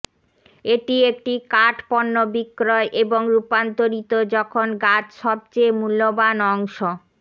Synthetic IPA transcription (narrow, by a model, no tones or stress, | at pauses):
eʈiek̚ʈikaʈpɔnːobikːɾɔeʔeboŋɾupant̪oɾit̪od͡ʑɔkʰonɡatʃɔb̚t͡ɕemulːobanɔŋʃo